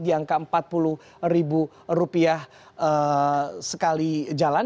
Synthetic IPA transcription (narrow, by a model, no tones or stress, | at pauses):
diaŋkaəmpat̪̚puluh | ribu | rupiah | əsəkalid͡ʒala